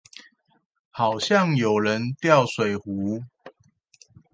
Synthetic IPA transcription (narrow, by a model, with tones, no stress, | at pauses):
hɑ˨˩ʊɕjɑ˥˨ŋjo˨˩ʊɻə˨˦nt̪jɑ˥˨ʊswe˨˩ɪhu˨˦